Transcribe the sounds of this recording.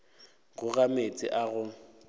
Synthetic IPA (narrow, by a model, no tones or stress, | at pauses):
ɣʊɣamet͡sʼɪ̰ʔaɣʊ